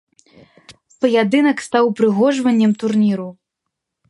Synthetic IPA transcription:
pɐjad̪ɨnɐkst̪awpɾɨɣɔʐvɐnʲːɛmt̪urnʲiɾu

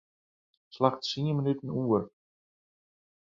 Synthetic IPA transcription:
slaχtsiːəmənytən̩uːər

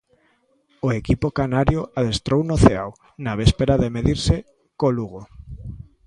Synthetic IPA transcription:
oekipokanaɾjoaðest̪ɾownoθeaw | naβespeɾaðemeðiɾse | koluɣo

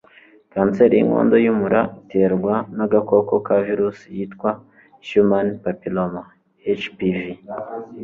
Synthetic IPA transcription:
kaːnseɾijḭŋo̰ːndo̞jumuɾaitʰeɾɡwanaɡako̞ko̞kaviɾusijitkwa | ʃumanpapiloma | et͡ʃpivi

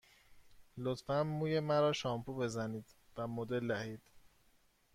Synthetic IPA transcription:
lot̪fænmːuːje̞mæɾɒːʃɒːmpʰube̞zæniːd̪væmod̪e̞ld̪æhiːd̪̥

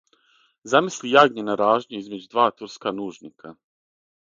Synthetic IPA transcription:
zamislijaːɡɲenaɾaːʒɲuizme̞d͡ʑud̪ʋaːt̪uɾskanuːʒnikʰa

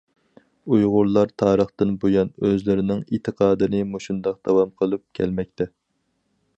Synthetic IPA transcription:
ujʁʊɾlˠɑɾt̪ʰɑːɾəχt̪ɨnbojɑnøzlɪɾɪnɪŋit̪ʰːəqʰɑːd̪ɨnɪmoʃund̪ɑq̚d̪̥ɑwɑmqʰəlˠɨp̚kʲʰɛlmɛk̚ʲt̪ʰɛ

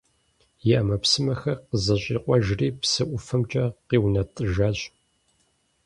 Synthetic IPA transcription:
jɪʔɐmɐpsɨmɐxɐrqəzɐɕʼḭːqʷʼɔʒriːpsɨʔʷʊfɐmt͡ʃʼɐqiːwnɐtʼɨʒaːɕʼ

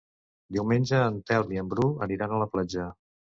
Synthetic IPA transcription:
d̪iwmenʲd͡ʒəːnt̪ɛlˠmiəmbɾuəniɾanələplad͡ʒə

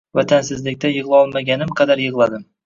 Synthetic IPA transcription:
vat̪ʰansɪzlɪkʲt̪ajɨʁlˠɪɒlˠmaɡʲanɪmqʰɑd̪aɾjɨʁlˠad̪ɪm

